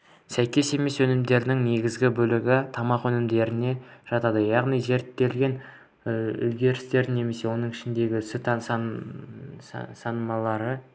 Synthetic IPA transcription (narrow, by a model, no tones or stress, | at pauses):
sæjkʲe̞se̞me̞swɵnɪmd̪e̞ɾd̪ɪŋne̞ɡʲɪzɡʲɪbɵlɪɡʲɪt̪ʰɑmɑqwɵnɪmd̪e̞ɾɪne̞ʒ̥ɑt̪ɑd̪əjɑʁnijze̞ɾt̪ːe̞lɡʲe̞n | ʏ̰lɡʲe̞ɾɪst̪e̞ɾne̞me̞se̞wo̞nəɴɪʃɪnd̪e̞ɡʲɪʏsɪt̪ʰɑsɑ | sɑnəmɑlˠɑɾə